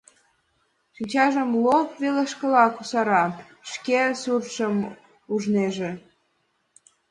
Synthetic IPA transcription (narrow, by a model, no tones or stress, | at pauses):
ʃinʲt͡ɕɑʒəmlopveleʃkə̆lɑkusɑɾɑ | ʃkesurʃəm | uʒneʒe